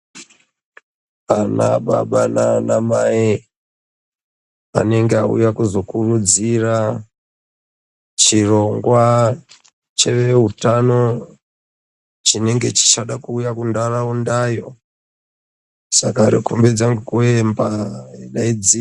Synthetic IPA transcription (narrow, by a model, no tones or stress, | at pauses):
ana̰ɓa̰ɓananamai | a̰ne̞ŋɡeaṵjakuzo̞kurud͡zira | t͡ʃiro̞ŋɡwa | t͡ʃe̞ʋe̞ɦutano̞ | t͡ʃine̞ŋɡe̞t͡ʃi̥t͡ʃaɗakuːjakundaraundajo̞ | sakaːɾikumbed͡zaŋɡukuembaeɗaid͡zi